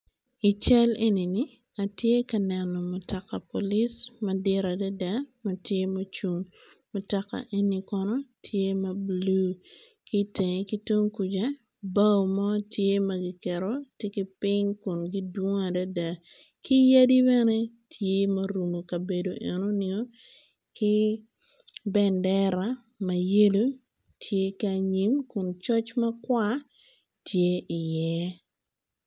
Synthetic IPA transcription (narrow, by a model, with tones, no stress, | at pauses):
ɪ˨t͡ʃɛ˦le˦ni˨nɪ | a˨tje˦kɐ˨nɛ˨nːɔ˨mʊ˨ta˨kːa˨po˨lɪ˦smɐdɪ˦ɾa˨da˦da˦mɐ˨tje˦mɐ˦t͡ʃu˦ŋ | mʊ˨taka̰˨ʔe˦nːi˦kɔnɔ˦tʰje˦mɐ˨blu˦ | ki˦te˨ŋe˨ki˦to˦ŋku˨d͡ʒa˦ | ba˦wmɔ˦tje˦mɐɡɪ˨kɛ˨ɾɔte˦ki˦pɪŋkʊ˨nɡɪ˦dwo˦ŋ˦a˨da˦da˨ | kɪ˦ja˦di˦bɛ˦ne˦ | tʰje˦mɐ˦ɾu˨mo˨ka˨be˨do˨ʔɛ̰˨no˦nɪo˦ | kɪ˦ | bɛ˨ndɛ˦ɾa˨˦ | mɐ˨je˦lo˦ | tʰje˦ka˨ɲi˨˦mkʊ˨nt͡ʃɔ˦t͡ʃmɐ˦kwa˦ | tje˦ɪ˨jɛ˦